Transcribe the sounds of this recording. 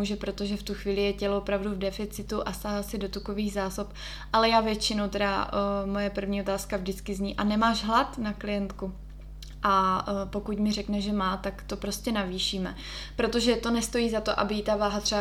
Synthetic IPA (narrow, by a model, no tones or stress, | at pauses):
uʒɛpɾot̪oʒɛft̪uxviːlɪjɛcɛloopɾavduvdɛfɪt͡sɪt̪uʔast̪aɦasɪdo̞t̪uko̞viːɣzaːso̞p | ʔalɛjaːvjɛt͡ʃɪno̞wt̪ɛda̰mojɛpr̩vɲiːo̞t̪aːskavdɪt͡skɪzɲiːʔanɛmaːʒɦlat̪naklɪjɛnt̪ku | ʔapo̞kucmɪrɛknɛʒɛmaːt̪akt̪o̞pɾo̞scɛnaviːʃiːmɛ | pɾo̞t̪o̞ʒɛt̪o̞nɛst̪o̞jiːzat̪o̞ʔa̰bɪit̪avaːɦat̪r̥ɛa